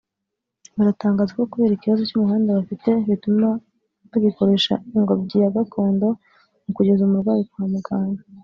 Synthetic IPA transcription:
βaɾataːŋɡaːzako̞kuβe̞ːɾiciβazo̞cumuɦaːndaβafite̞βituma | βaɡiko̞ɾe̞ʃa̰iŋɡobɟiːjaɡatʰo̞ːndo̞ | mukuɟe̞zumuɾɡwaːjikuhamuɡaːɲa

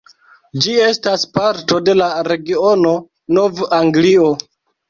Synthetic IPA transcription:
d͡ʒie̞staspaɾto̞de̞laɾe̞ɡio̞no̞ | no̞vaŋɡlio̞

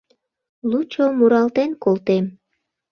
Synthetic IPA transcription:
lut͡ɕomuɾɑlt̪enkolt̪em

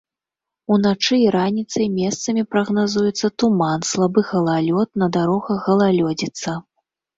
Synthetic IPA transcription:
unat͡ʂɨiɾanʲit̪sɐjmʲɛst̪sɐmʲipɾɐɣnazujɛt̪sːɐt̪umanslˠabɨɣɐlˠalʲɔt̪nɐd̪aɾɔɣɐɣɐlˠalʲɔd͡zʲit̪sːɐ

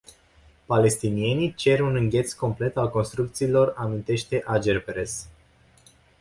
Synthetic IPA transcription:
pale̞st̪inie̞nit͡ʃe̞runɨŋɡʲe̞t̪sko̞mple̞t̪alko̞nst̪ɾukt̪siːlo̞ramint̪e̞ʃt̪e̞ʔad͡ʒerpeɾes

